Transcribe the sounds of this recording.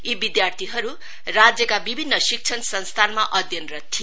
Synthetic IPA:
ibid̪jart̪ʰiɦʌɾu | rad͡zjʌkabibʱinːʌsik̚t͡ʃʰʌnsʌnst̪ʰanmaʔʌd̪ʱjʌnrʌt̪ʰːi

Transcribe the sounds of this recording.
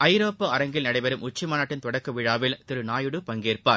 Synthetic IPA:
ɐɪɾoːpːɯɐɾɐŋɡɪlnɐɽɐɪʋɐɾɯmʊt͡ʃːɪmaːnaːʈːɪnt̪ɔɽɐkːɯʋɪɻaːʋɪlt̪ɪɾɯnaːjɯɽɯpɐŋɡeːɾpaːɾ

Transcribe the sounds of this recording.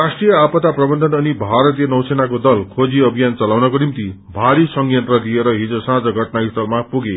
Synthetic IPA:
rasʈrijʌapʌt̪aprʌbʌnd̪ʱʌnʌnibʱaɾʌt̪ijʌnʌw̃senakod̪ʌlkʰod͡ziʌbʱijant͡sʌlawnʌkonimt̪i | bʱaɾisʌŋjʌnt̪rʌd̪ieɾʌɦid͡zosãd͡zʌɡʱʌʈnaɦist̪ʌlmapuɡe

